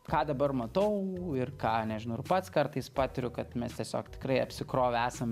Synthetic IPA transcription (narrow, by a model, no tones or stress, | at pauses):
kɑːd̪ɐbɐrmɐt̪ɐʊɪrkɑːnʲɛʒʲɪnɐʊɪpɐt̪skɐrt̪ɐɪspɑːt̪ʲɪɾʲʊkɐt̪mʲɛst̪ʲiɛsʲo̰ːkt̪ʲɪ̥kɾɐɪɐpʲsʲɪkɾoːʋʲɛæːsɐm